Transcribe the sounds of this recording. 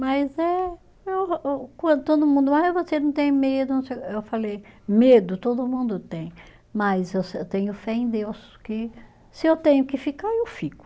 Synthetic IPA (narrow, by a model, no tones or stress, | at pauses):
mɐjzɛ | ewkwɐ̃d̪t̪od̪ʊmũnd̪ʊmajzvosenɐ̃w̃t̪ẽj̃med̪ʊnɐ̃w̃sejkewfalejmed̪ʊt̪od̪ʊmũnd̪ʊt̪ẽj̃ | mɐzewsewt̪ẽɲʊfɛẽj̃d̪ewskɪ | sɪewt̪ẽɲʊkɪfikaɾewfikʊ̥